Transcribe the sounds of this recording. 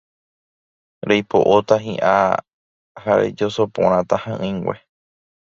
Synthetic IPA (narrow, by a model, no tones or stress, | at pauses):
ɾejpo̰ʔot̪aɦḭ̃ʔa | haɾḛd͡ʒosopõ̰ɾ̃ãt̪ahãʔɨ̃ŋɡʷwʷe